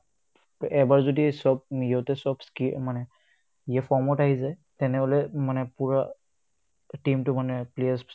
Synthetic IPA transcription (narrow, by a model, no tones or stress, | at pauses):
ɛbaɹzodisɔb̚iotɛsɔbskimanɛ | ijafʰɔɹmɔtaɦizajtɛnɛɦolɛmanɛpuɹa | timtʊmanɛpleas